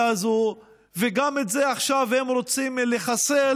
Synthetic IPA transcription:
azo | veɡametzeaχʃavhe̞mɾo̞t͡simleχase

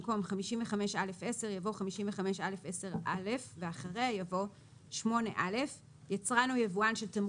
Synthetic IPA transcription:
ko̞mχamiʃimveχameʃale̞fese̞ʁjavo̞χamiʃiɱveχameʃale̞fese̞ʁʔale̞fveaχaʁejavo̞ | ʃmo̞ne̞ʔale̞f | jat͡sʁanujevuanʃelt̪am

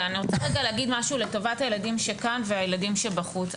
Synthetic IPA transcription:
aniʁo̞t͡saʁeɡaleːɡidmaʃuːle̞to̞vathajeladimʃekanveajeladimʃebaχut͡s

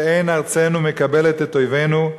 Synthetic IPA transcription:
ejnaʁt͡senumekabelet̪et̪ːojvenu

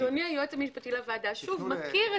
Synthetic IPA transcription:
oniajotamiʃpat̪ilavaːd̪aʃuvmakiʁe

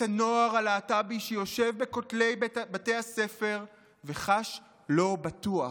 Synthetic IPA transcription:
tanoaʁalaːtabiʃejo̞ʃevbe̞kotle̞jbate̞jase̞fe̞ʁ | veχaʃ | lo̞batua

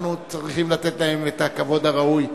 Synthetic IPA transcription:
nut͡sʁiχimlat̪et̪lahe̞met̪akavo̞d̪aʁauj

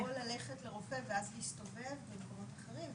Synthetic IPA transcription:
olale̞χetle̞ʁo̞fe̞veazleiʃtove̞vbedkomotaχeʁim

